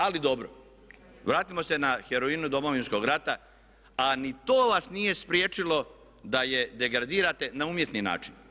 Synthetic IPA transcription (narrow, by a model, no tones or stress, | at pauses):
alid̪o̞bɾo̰ | ʋɾaːt̪imo̞se̞naxeɾo̞inud̪o̞mo̞ʋinsko̞ɡɾat̪a | anit̪o̞ːʋasnije̞spɾjeːt͡ʃilo̞ | d̪aje̞d̪e̞ɡɾad̪iːɾat̪e̞nauːmje̞t̪nina̰ːt͡ʃin